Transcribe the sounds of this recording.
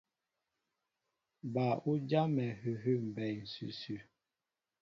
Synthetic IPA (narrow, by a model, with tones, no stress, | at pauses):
ba˨u˦d͡ʒa˦mɛ˨hʉ˨ɦʉ˦˨m̩˨bɛ˨jn̩˨sʉ̰˨sʉ˨